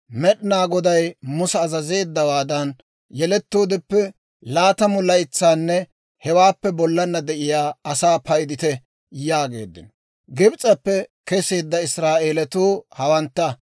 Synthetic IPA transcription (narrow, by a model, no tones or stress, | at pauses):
mɛɗɪnaːɡɔd̪ɐjmʊsɛːzɐze̞ːd̪ːɐwaːd̪ɐn | jɛlɛt̪ːoːd̪ɪpːɛ | laːt̪ɐmʊlɐjɪt͡sːaːnːɛ | hɛwaːpːɛbɔlːɐnːɐd̪ɛʔɪjaːɐsaːpɐjd̪ɪt̪ɛ | jaːɡe̞̰ːd̪ːɪnɔ | ɡɪbt͡sʼɐpːɛkɛseːd̪ːɐɪsɾaːʔeːlɛt̪uːhɐwɐnt̪ːɐ